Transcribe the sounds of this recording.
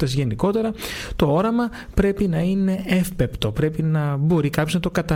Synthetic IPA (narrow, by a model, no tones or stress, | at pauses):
t̪eszʝe̞niko̞t̪e̞ɾɐt̪o̞o̞ɾɐmɐ | pɾe̞pinɐine̞efpe̞pt̪o̞pɾe̞pinɐbo̞ɾikɐpço̞znɐt̪o̞kɐt̪ɐ